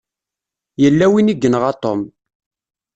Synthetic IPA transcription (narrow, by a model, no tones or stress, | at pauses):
jəlːæwiniɡːənʁɑt̪ˤom